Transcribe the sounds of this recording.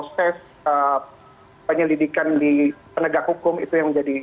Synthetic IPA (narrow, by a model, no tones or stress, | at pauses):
pɾosɛs | ə | pəɲəlidikandipənəɡakhukʊmḭt̪ujaŋməɲd͡ʒadi